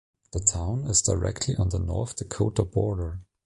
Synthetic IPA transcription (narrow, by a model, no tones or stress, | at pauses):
ðətʰãʊ̃nɪzdaɪɹɛ̰k̚tʰliʔə̃nðənɔ̰ɹθðəkʰoʊtəbɔɹɾə˞